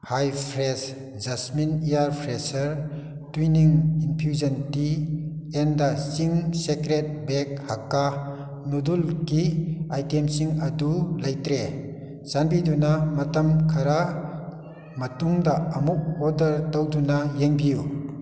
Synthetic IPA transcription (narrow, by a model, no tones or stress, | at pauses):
hajpʰɾes | zɐsminijaɾpʰɾesɐɾ | twiniŋinpʰjuzɐntiendɐsiŋsekɾet̚bek̚hakːa | nudulkiajtemsiŋɐdulɐjtɾe | sanbidunamɐtɐmkʰɐɾa | mɐtuŋdɐːmuk̚odɐɾtɐwdunajeŋbiju